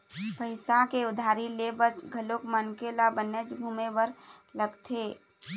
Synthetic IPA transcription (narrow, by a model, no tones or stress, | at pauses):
pəɪsakeʊd̪ʱaːɾilebət͡ʃɡʱəlokmənkelabəned͡ʒɡʱuːmebəɾ | ləɡt̪ʰeː